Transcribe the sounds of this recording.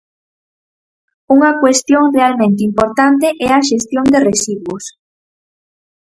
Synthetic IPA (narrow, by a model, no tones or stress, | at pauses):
uŋɐkwest̪joŋrealmẽnt̪ɪimpoɾt̪ant̪eʔɛɐʃest̪jond̪eresiɣwʊs